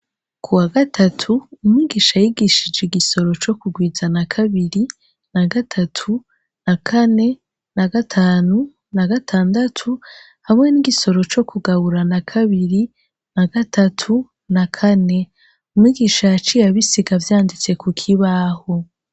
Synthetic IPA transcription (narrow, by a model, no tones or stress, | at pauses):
kʰuwaɡatʰatʰuːmŋiɡiʃajiɡiʃid͡ʒeɡiso̞ɾo̞t͡ʃo̞kuɡwiːzanakʰaβiɾi | naɡatʰatʰu | nakʰane̞ | naɡatʰaːnu | naɡatʰaːndatʰu | hamŋe̞niɡiso̞ɾo̞t͡ʃo̞kʰuɡaβuɾanakʰaβiɾi | naɡatʰatʰu | nakʰane̞ | umŋiːɡiːʃajat͡ʃijaβisiɡavjaːndit͡se̞kʰukʰiβaho